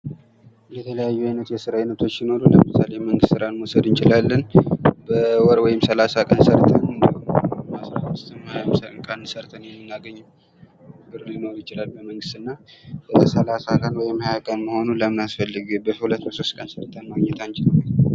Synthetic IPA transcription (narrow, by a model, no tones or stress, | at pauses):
jɛt̪ʰələjajːuajnət̪jɛsɨɾajnət̪ʰo̞t͡ʃːjɪno̞ɾuləmɨsaleməŋɡɨst̪sɨɾanmosəd̪ɨnt͡ʃʼɪlalːənbəwɔɾwɔjɪmsəlasakʼənsəɾt̪ʰənnd̪ihomasɾamɨst̪ʰɨmamsəkʼənsəɾt̪ʰənjɛmːɨnːaɡəɲːɪm | ɨɡɨɾunno̞ɾujɪt͡ʃɪlalbəməŋɡɨst̪ɨnːabəsəlasakʼənwɔjɪmːajakʼənməho̞nuləmɨnasfəlːɨɡɨbəhulət̪ːbəso̞st̪kʼənsəɾt̪ʰənmaɡɲɛt̪ʰant͡ʃɪla